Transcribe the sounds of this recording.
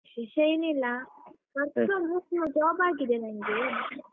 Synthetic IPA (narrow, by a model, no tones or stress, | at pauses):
iʃɐjnilːa | mɐɾt̪ɾomuknud͡ʒaːbaːɡid̪enaːŋɡe